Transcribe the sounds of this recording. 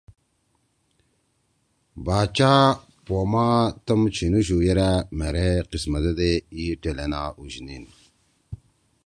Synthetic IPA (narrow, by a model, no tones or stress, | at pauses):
baːt͡ɕaː | pomat̪əmt͡ɕʰinuɕ̬ujeɾameɾeqismɐd̪ed̪eiʈelenaːuɕnin